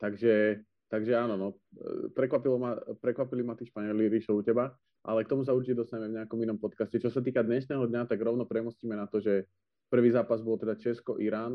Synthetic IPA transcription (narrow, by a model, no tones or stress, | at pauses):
t̪aɡʒɛ | t̪aɡʒɛaːnɔnɔ | pɾɛkʋapilɔmapɾɛkʋapilimat̪iʃpaɲɛliɾiʃɔucɛba | ʔa̰lɛkt̪ɔmus̬aut͡ʃiɛd̪ɔst̪ajɛmɛvɲɛakɔminɔmpɔt̪kascɛt͡ʃɔsat̪̬iːkad̪ɲɛʃnɛːɦɔd̪ɲat̪aɡɾɔʊnɔpɾɛmusciːmɛnat̪ɔʒɛ | pr̩ʋiːzaːpazbɔlt̪ɛd̪at͡ʃɛskɔʔiɾaːn